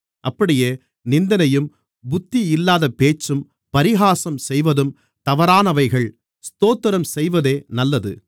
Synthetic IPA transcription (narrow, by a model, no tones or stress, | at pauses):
ʔɐpːɐɽɪjeː | nɪnd̪ɐnɐjɯm | bʊt̪ːiɪlːaːðɐpeːt͡ʃːɯm | pɐɾɪɣaːsɐmsɛjʋɐðɯm | t̪ɐʋɐɾaːnɐʋɐɪɣɐɭ | st̪oːt̪ːɪɾɐmsɛjʋɐðeːnɐlːɐðɯ̰